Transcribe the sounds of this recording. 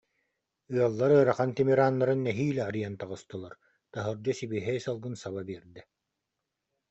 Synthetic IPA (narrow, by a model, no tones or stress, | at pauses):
ɯɐlˠːaɾɯɾaχant̪ɛmɛɾaːnːaɾɯnːɛɦiːlɛːɾɯjant̪aʁɯst̪ɯlˠaɾ | t̪aɦɯɾd͡ʑɔsibiɦɛjsalˠɡɯnsaβabiɛɾd̪ɛ